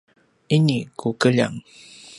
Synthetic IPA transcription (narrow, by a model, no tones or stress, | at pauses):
inikʰukəʎa̰ŋ